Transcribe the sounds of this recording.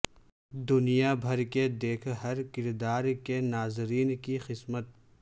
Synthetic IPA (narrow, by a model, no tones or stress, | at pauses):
d̪ʊnijabʱɐɾked̪eːkʰɦɐɾkɪɾd̪aːɾkenaːzɾiːnkixɪsmət̪̚